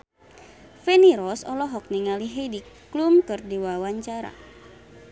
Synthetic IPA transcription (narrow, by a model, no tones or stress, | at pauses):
fɛniɾɔsɔlɔɦɔk̚niŋaliɦedikː | lumkɨrdiwawaɲt͡ʃaɾa̰